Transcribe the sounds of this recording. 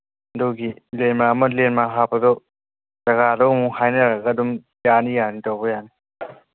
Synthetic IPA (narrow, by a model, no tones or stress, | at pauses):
ndɔɡilenmamɐlenmaɦapɐdɔ | z̥ɐɡadɔmuŋhajnɐɾaɡadum | janijanitɔwbɔjani